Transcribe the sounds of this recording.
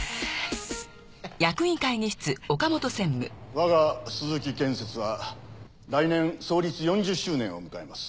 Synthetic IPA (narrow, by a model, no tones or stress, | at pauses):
jakɯ̟ĩkaiɲiɕi̥t͡sɨo̞kamo̞t̪o̞sẽ̞mːɯ̟βaɡasɨzɨk̬ʲikẽ̞ɰ̃se̞t͡sɨβa | ɾainẽ̞ɰ̃so̞ːɾʲit͡sɨjõ̞ɲd͡ʑɨɕːɨːnẽ̞o̰mɯ̟kaemasɨ̥